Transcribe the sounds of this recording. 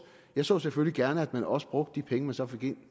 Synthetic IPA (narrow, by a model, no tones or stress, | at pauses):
jɑ̈ɪsɔ̰ːseføliɡ̥æɐnəæd̥mænɒ̽sə̥b̥ʁɔ̽ɡ̥̚d̥ə̥ːipʰeŋəmænsɒ̽fe̝ɡ̥e̝n̰